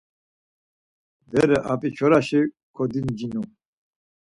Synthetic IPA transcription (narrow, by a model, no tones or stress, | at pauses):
d̪ɛɾɛʔapʼit͡ʃʰɔɾaʃi | kʰɔd̪ind͡ʒinu